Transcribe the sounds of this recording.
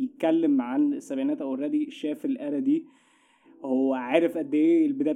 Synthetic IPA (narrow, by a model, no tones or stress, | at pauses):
jet̪̚kælːemʕansːæbʕiːnæːt̪ʔæwerˤɑːd̪iʃæːfelʔæɾæd̪iː | howːæʕeːɾefʔæd̪ːæʔeelbed̪æː